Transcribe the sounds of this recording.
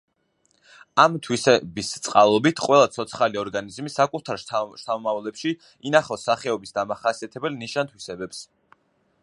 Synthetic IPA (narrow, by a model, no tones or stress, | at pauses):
amt̪ʰwisɛbist̪sʼqʼalˠɔbit̪ʰqʼwɛlˠat̪sʰɔt̪sʰχaliɔɾɡanizmisakʼut̪ʰaɾʃt̪ʰamɔmavlɛpʃi | inaχɔsaχɛɔbisd̪amaχasiat̪ʰɛbɛlniʃant̪ʰwisɛbɛps